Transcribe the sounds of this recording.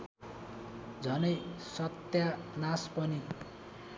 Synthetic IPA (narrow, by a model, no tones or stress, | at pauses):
d͡zʱʌnʌjsʌt̪janaspʌni